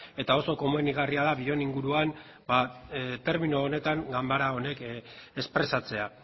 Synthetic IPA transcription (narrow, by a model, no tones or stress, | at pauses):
e̞t̪ao̞so̞ko̞moeniɣ̞ariaðaβio̞niŋɡuɾuan | bat̪e̞ɾminoːne̞t̪aŋɡambaɾao̞ne̞ke̞spɾe̞sat͡se̞a